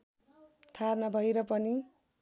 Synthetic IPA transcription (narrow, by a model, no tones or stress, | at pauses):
t̪ʰarnabʱʌjɾʌpʌni